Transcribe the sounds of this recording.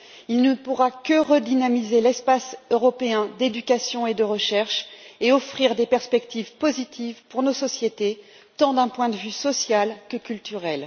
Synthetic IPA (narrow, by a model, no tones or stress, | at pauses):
ilnəpuʁakəʁəd̪inamizelɛspasøʁɔpeɛ̃d̪ed̪ykʲasjɔ̃ed̪əʁəʃɛʁʃeɔfχiʁd̪epɛʁspɛkt̪ivpozit̪ʰivpuʁnosɔsjet̪e | t̪ɑ̃d̪ɛ̃pwɛ̃d̪əvysɔsjalkəkʲylt̪yʁɛl